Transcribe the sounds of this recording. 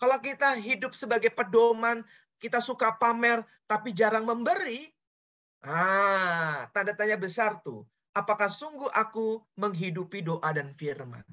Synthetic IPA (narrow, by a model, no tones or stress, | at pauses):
kalok̬it̪aɦidʊp̚səbaɡajpədoman | kit̪asukapamɛr | t̪apid͡ʒaɾaŋməmbəɾi | ʔa | t̪andat̪aɲabəsart̪ṵ | apakahsuŋɡuʔakuməŋɦidupidoʔadanfirma̰n